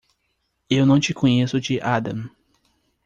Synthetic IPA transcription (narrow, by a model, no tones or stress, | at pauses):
ewnɐ̃w̃t͡ʃɪkʰõɲesʊd͡ʒɪʔad̪ɐ̃m